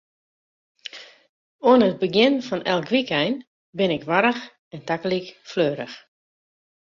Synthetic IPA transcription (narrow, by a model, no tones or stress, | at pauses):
oənəət̚bəɡjɪnfɔnɛlˠkʋikɛjn | bɪnɪkʋaɾəx | ɛntakəlikfløːɾəx